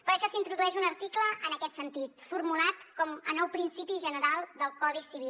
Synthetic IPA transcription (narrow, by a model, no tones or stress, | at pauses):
pəɾəʃɔsint̪ɾuðuɛʃunəɾt̪ikləʔənəkɛt̪sənt̪it̪fuɾmulat̪kɔmə̰nɔwpɾinsipiʒənəɾalˠd̪əlˠkɔðisiβi